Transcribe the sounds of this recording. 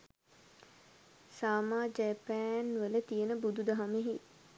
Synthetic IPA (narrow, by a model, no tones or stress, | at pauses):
saːmaːd͡ʒɛpæːnʋələt̪ijənəbud̪ud̪aɦameɦi